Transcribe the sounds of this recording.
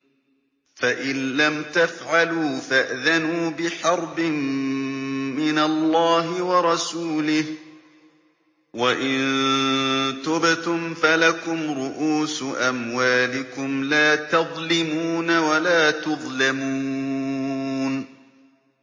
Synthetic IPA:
faʔɪnːamt̪afʕaluːfaʔðanuːbɪħɑɾˤbɪmː | ɪnalˤːɑːɦɪwɑɾˤɑsuːlɪh | waʔɪnn | t̪ʊbt̪ʊmfalakʊmɾʊʔuːsʔamwaːlɪkʊmlaːt̪ɑðˤlɪmuːnawalaːt̪ʊðˤlamuː | n

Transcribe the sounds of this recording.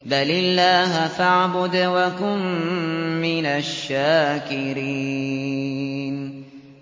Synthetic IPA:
balɪlːaːɦafaʕbʊd̪wakʊmː | ɪnaʃːaːkɪɾiː | n

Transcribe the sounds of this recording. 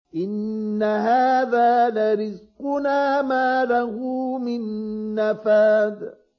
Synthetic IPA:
ʔɪnːaɦaːðaːlaɾɪzqʊnaːmaːlahʊmɪnːafaːd̪

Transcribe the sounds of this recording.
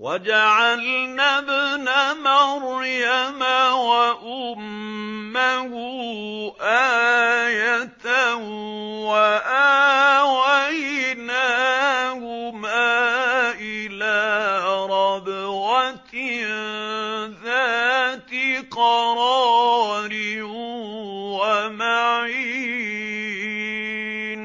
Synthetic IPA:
wad͡ʒaʕalnaːbɪnaːmaɾˤjamawaʔʊmː | ahʊ | ʔaːjat̪ah | waʔawajnaːhʊmaːʔɪlaːɾˤɑbɣat̪ | ðaːt̪iqɑɾˤɑːɾɪ | wamaʕʕiː | n

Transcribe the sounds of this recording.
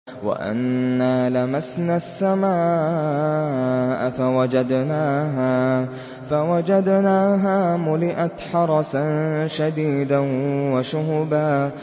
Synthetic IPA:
wa̰ʔa̰nːaːlamasnaːsːamaː | ʔfawad͡ʒad̪naːɦaː | fawad͡ʒad̪naːɦaːmʊlɪʔat̪ħɑɾˤɑsanʃad̪iːd̪awaʃʊhʊbaː

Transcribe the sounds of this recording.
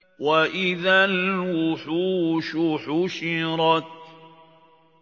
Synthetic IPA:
waʔɪðalwʊħuʃʊħʊʃɪɾˤɑt̪̚

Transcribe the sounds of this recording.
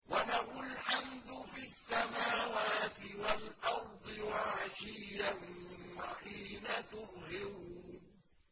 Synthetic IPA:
walahʊlħamd̪ʊfiasːamaːwaːt̪ɪwalʔɑɾˤd̪ˤɨwaʕaʃiːjawaħiːnat̪ʊɾˤhɪɾuː

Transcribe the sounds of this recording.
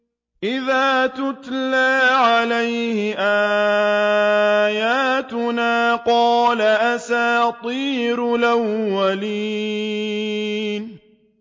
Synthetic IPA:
ʔɪðaːt̪ʊt̪laːʕalajhɪʔaː | jaːt̪ʊnaːqɑːlaʔasaːt̪ˤiːɾlʔawːaliː | n

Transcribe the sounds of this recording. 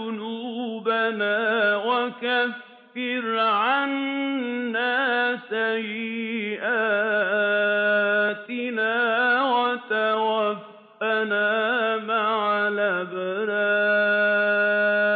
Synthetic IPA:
ʊnuːbanaːwakafː | ɪɾʕanː | aːsajːɪʔaː | t̪ɪnaːwat̪awabː | anaːmaʕlaːbanaː

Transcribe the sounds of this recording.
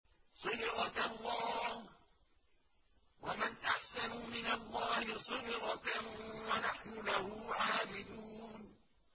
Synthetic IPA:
sˤɨd̪ɪɣɑklˤːɑːh | wamanʔaħsanʊmɪnalˤːɑːhɪsˤɨd̪ɪqɑkawanaħnʊlahʊʕaːbɪd̪uːn

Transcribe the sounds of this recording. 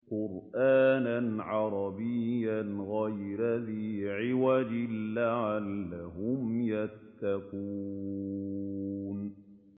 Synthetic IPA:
qʊɾʔaːnanʕɑɾˤɑbɪjːanɣajɾaðiːʕɪwad͡ʒɪlːaʕalːaɦʊmjat̪ːakuː | n

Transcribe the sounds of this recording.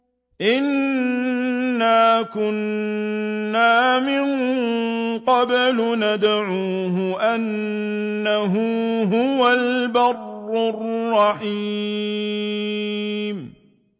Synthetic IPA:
ʔɪn | aːkʊnː | aːmɪn | qɑblʊnad̪ʕuːɦʊʔanː | aɦuːɦʊwalbɑrːʊrˤːɑħi | m

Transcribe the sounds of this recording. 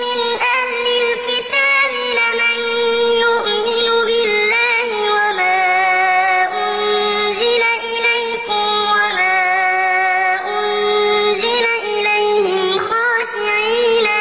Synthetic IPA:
mɪnʔahlɪlkɪt̪aːbɪlamanjʊʔmɪnʊbɪlːaːhɪwamaː | ʔʊn | zɪlaʔɪlajkʊmwamaː | ʔʊnzɪlaʔɪlajhɪmxɑːʃɪʕiːna

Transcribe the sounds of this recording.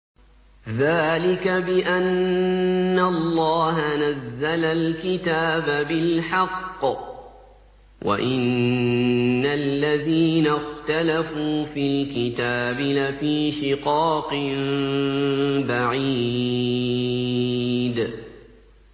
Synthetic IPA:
ðaːlɪkabɪʔanː | alːɑːɦanazːalalkɪt̪aːbabɪlħɑqː | wʔa̰ʔɪnː | alːaðiːnaxt̪alafuːfilkɪt̪aːbɪlafiːʃɪqɑːqɨm | baʕi | d̪

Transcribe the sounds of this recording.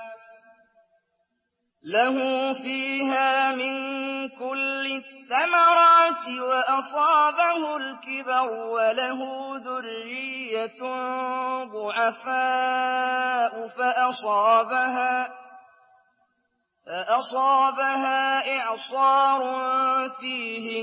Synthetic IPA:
laɦʊfiːɦaːmɪnkʊlːɪθːamɑɾˤɑːt̪ɪwaʔɑsˤɑːbahʊlkɪbɑɾʊwalaɦʊːðʊrːɪjːa | ðˤʊʕafaː | ʔʊfaʔɑsˤɑːbaɦaː | faʔɑsˤɑːbaɦaːʔɪʕsˤɑːɾˤʊfiːhɪ

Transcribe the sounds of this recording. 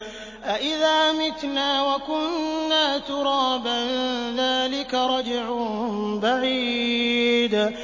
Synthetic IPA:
ʔaʔɪðaːmɪt̪naːwakʊnːaːt̪ʊɾˤɑːbanðaːlɪkaɾˤɑd͡ʒʕʊbaʕiː | d̪

